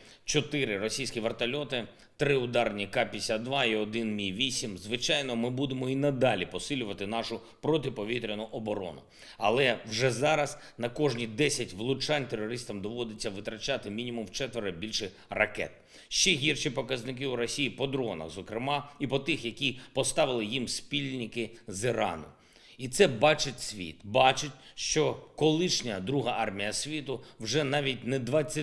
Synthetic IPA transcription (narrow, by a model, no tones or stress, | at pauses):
t͡ʃɔt̪ɪɾɪɾɔsʲijsʲkʲiʋert̪ɐlʲɔt̪ɪ | t̪ɾɪʊd̪ɑrnʲikɑpʲisʲad̪ʋɑiɔd̪ɪnmʲiʋʲisʲimzʋɪt͡ʃɑjnɔmɪbud̪emɔinɐd̪ɑlʲipɔsɪlʲʊʋɐt̪ɪnɑʃʊ | pɾɔt̪ɪpɔʋʲit̪ɾʲenʊʔɔbɔɾɔ̰nʊ̰ | ɐlˠɛwʒɛzɑɾɐs | nɐkɔʒnʲid̪ɛsʲɐtʲʋlˠʊt͡ʃɑnʲt̪erɔɾɪst̪ɐmd̪ɔʋɔd̪ɪt͡sʲːɐʋɪt̪ɾɐt͡ʃat̪ɪmʲinʲimʊmt͡ʃɛt̪ʋeɾɪbʲilʲʃɪ | rɐ̰kɛ̰t̪̚ | ʃt͡ʃɛɦʲirʃipɔkɐznɪk̬ɪuɾɔsʲijipɔd̪ɾɔnɐ̰zɔkɾɪmɑipɔt̪ɪxjɐkʲipɔst̪ɑʋɪlˠɪjimsʲpʲilʲnʲɪkɪzɪɾɑ̰nʊ̰ | it̪sɛbɑt͡ʃɪtʲsʲʋʲḭt̪bɑt͡ʃɪtʲʃt͡ʃɔkɔlˠɪʃnʲɐd̪ɾuɦɐʔɑrmʲijɐsʲʋʲit̪ʊwʒɛnɑʋʲit̚ʲnɛd̪ʋɑt͡sʲːɐ